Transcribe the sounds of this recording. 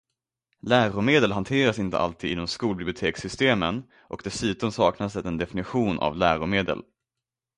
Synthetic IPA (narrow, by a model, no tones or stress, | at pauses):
læːɾʊmeːd̪əlɦant̪ʰeːɾasɪnt̪ə̰ʔa̰lt̪ʰiːd̪ɪnːɔmskuːlbɪblɪʊt̪ʰeːksʏst̪eːmən | ʔɔk̚d̪ɛsʉ̟ːt̪ɔmsɑːknas̬ɛt̪ɛnd̪ɛfɪnɪɧuːnʔa̰vlæːɾʊmeːd̪ə̰l